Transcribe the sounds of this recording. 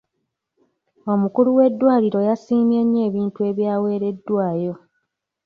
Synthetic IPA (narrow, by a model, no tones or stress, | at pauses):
o̞mukuluwe̞dːwaːliɾo̞jasiːmjeɲːe̞ːβiːntue̞ːβjaːwe̞ːɾe̞dːwaːjo̞